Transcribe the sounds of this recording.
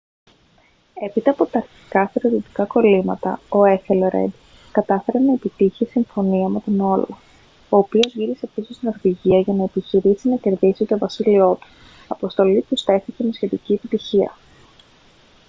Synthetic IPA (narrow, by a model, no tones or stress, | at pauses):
e̞pit̪ɐːpo̞t̪ɐːɾçi̥kɐθeɾot̪it̪i̥kɐko̞limɐt̪ɐ̰o̞e̞feloɾe̞̰d̪ | kɐt̪ɐfe̞ɾe̞nɐe̞pit̪içisiɱfo̞niɐme̞t̪ino̞lɐ | o̞ːpio̞zʝiɾiseepisist̪ino̞ɾðiʝiɐʝɐnɐe̞piçiɾisinɐce̞ɾðisit̪o̞vɐsilio̞t̪u̥ | ɐpo̞st̪o̞lit̪ust̪e̞θice̞mesçe̞t̪icie̞pit̪içiɐ̰